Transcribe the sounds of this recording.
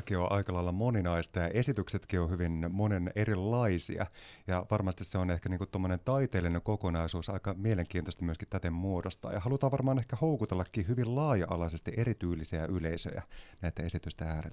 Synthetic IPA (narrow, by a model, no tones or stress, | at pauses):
kioʔɑikɑlɑilːɑmoninɑist̪ɑjɑʔe̞sit̪ykset̪kiohyʋinmonenerilːɑisḭɑ̰jɑʋɑrmɑst̪isseonehkæniːŋkut̪t̪omːonent̪ɑit̪eːlːineŋkokonɑisuːsɑikɑmieleŋkiːnt̪ost̪ɑmyøskit̪t̪æt̪emmuodost̪ɑ̰ːjɑhɑlut̪ɑːʋʋɑrmɑːnehkæhoukut̪elːɑkːiːhyʋillɑːjɑʔɑ̰lɑsest̪iʔeɾit̪yːlːisiæʔyleisø̰jæ̰næit̪æe̞sit̪yst̪ææːɾḛlːæ